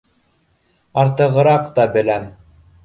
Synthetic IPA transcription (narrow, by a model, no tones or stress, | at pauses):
ɑɾt̪ɤ̆ʁɤ̆ɾɑqt̪ɑbɘ̆læm